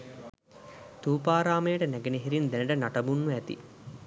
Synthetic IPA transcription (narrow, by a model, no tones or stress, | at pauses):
t̪uːpaːɾaːmejəʈənæɡeneɦiɾind̪enəʈənaʈɐbunːuæt̪ḭ